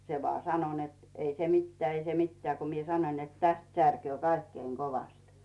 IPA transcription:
se ʋŏɑˑ sɑno net ei se mitːeæː ei se mitːĕæː ko mie sɑnoĭn net tæst særkøː kɑikːeiŋ koʋɑst

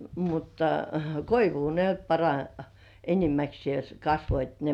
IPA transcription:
mutːɑ koiʋuː ne nyt pɑrɑ enimæksĭeˑs kɑsʋoit ne

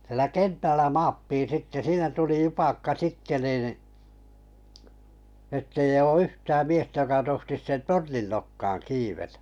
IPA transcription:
sĭĕlæ kentælːæ mɑːpːiːn̞ sitːe siːnæ tuli jupɑkːɑ sitːe niˑn etːei oː yhtæːm miestæ jokɑ tohtis tornin nokːɑːŋ kiːʋetæ̥

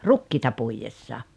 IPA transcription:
rukːiːtɑ puijesːɑ

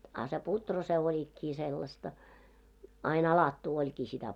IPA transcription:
ɑ se putro se olʲikːiː selːɑstɑ ɑin ɑlɑtːuː olʲkiː sitæ

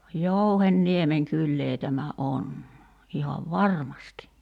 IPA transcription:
jouhenːiemeŋ kylːeː tæmæ ʔon ihɑʋ ʋɑrmɑsti

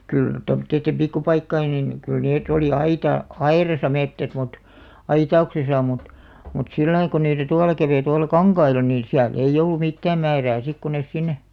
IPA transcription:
kyl tomŏtˑeitːem pikːupɑikːɑin nin kyl neːt oli ɑitɑ ɑirɑsɑ metːæt mut ɑitɑuksesɑ mut mut silːɑi ko niːtæ tuɑlɑ kæʋeĭ tuɑlɑ kɑŋkɑilɑ niːn̞ siæl ei olːu mitːæːm mæːræː sik ku nes sinːe

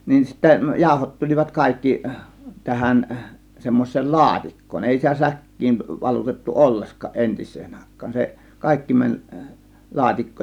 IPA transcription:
nin sitːæ jɑˑo̝hot tulʲiʋɑt kɑˑe̝kːi tæhæn semːoisˑeːl lɑːtikːoːn eˑi sitæ sækːiːn ʋɑlutetːu olːeskɑ̆ʔ ʔentisˑeːn ɑˑe̝kˑɑ̥ːn̥ se kɑˑe̝kːi mænʲ lɑːtikːoːn

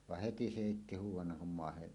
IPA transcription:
ʋɑh heti se heˑitːi huːwˑɑnːɑŋ kum mɑˑehen

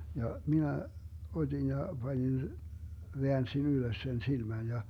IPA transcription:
jɑ minæ otʲin jɑ b̥ɑnʲin ʋeænsin yløs sen silmæn jɑ

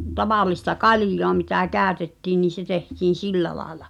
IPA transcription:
tɑʋɑˑlˑistɑ kɑlĭjˑoɑ mitæ kæˑøtetːiː niːn̞ se tehtiːn̞ silːæ lɑːĕlɑ

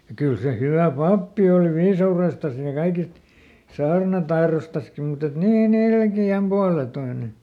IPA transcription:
jɑ kyl se hyʋæˑ pɑpːi oli ʋiːsɑurestɑs jɑ kɑikist sɑːrnɑtɑirostɑski mut et niːn ilkiæm puɑletoine

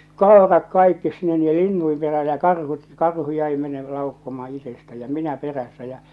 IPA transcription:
koerɑt kɑikːis sinːe niːjːe linːuim peræː jɑ kɑrhut kɑrhu jæi mene lɑukːomɑː itestæ jɑ minæ peræsːæ jæ

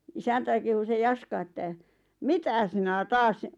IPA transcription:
isæntæi kehu se jɑskɑ etːæ mitæ sinæ tɑːs

